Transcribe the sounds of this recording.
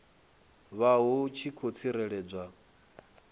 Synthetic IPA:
βaɦut͡ʃʰikʰot͡sʰiɾɛɺɛːb͡ʐʷa

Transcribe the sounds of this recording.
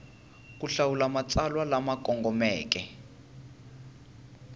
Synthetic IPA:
k̬ʼuɬawulamat͡sʼalwalamakʼɔŋɡɔmɛːk̬ɛ

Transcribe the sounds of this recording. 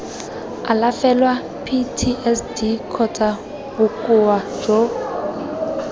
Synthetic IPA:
alafɛlwa | pʰitʰiʔɛsdikʰɔtʼa | bʊkʼʊwḁd͡ʒo

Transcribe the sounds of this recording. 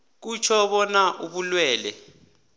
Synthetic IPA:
k̬ut͡ʃʰɔɓɔnaʔuɓulwɛːlɛ̰

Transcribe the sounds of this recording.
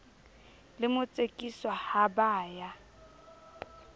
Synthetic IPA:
lɪmʊt͡sʼekʼiswahabaːja

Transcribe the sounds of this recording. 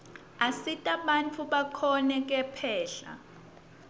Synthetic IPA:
asitʼaɓant͡fʰuɓakʰɔnɛk̬ʼɛpʰɛːɬa̰

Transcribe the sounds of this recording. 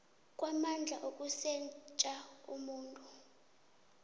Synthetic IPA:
kʼwamand͡ɮʱaʔokʼusɛnt͡ʃʼaumuːntʼu

